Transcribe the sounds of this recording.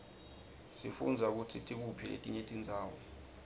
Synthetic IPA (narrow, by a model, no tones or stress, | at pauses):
sifṵnd͡zʱauk̬utʰitʼik̬upʰilḛtʼiɲetʼind͡zʱaːwɔ